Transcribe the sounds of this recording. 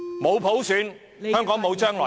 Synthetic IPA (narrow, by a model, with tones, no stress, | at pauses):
mo˨˧wpʰo˨˥wsyː˨˧n | hœː˥ŋkɔː˨˥ŋmo˨˧wt͡ʃœː˥ŋlɔː˨˩